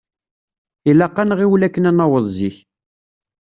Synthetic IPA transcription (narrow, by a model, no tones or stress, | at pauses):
ilɑqːɑnʁiwlækːənænɑwəðˤziç